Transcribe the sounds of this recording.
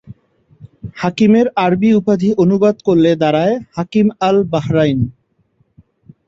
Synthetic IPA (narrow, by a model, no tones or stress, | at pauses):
hakimeɾaɾbiupad̪ʱiʔonubad̪koɾːed̪aɾaehakimalbaɦɾajn